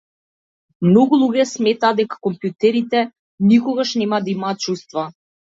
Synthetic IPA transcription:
mnɔɡulˠuɡɛsmɛt̪aːd̪ɛkḁkɔmpjut̪ɛɾit̪ɛ | nikɔɡaʃnɛmad̪aimaːt̪̚t͡ʃust̪va

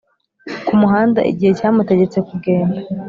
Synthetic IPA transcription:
kumuɦaːnda̰ʔḭɟihe̞caːmute̞ɟe̞t͡se̞kub̚ɡe̞ːnda

